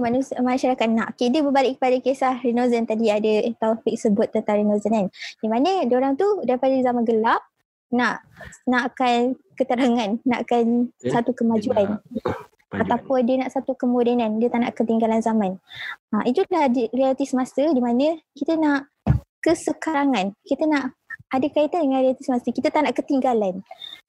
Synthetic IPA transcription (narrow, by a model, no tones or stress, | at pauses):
manmanuʃaɾakat̪̚naʔokediəbəbalɪʔkːə̥padakesahrinozənt̪adiadət̪afɪk̚səbʊt̪̚ːənt̪aŋɾinozənandimãnə̃doɾaŋt̪udaɾipadazamanɡəlaʔ̚ | naʔnaʔakankət̪əɾaŋãnːaʔakansat̪ukəmad͡ʒuan | at̪apʊndiənaʔsat̪ukəmodɛnandiət̪aʔna̰ʔkət̪iŋɡalanzamãnamit̪ulahdirialit̪isəmasədimanə̃kit̪ənaʔ | kəsəkaɾaŋankit̪ənaʔadakait̪andəŋãnrealit̪isəmasəkit̪ət̪aʔnaʔkət̪iŋɡalan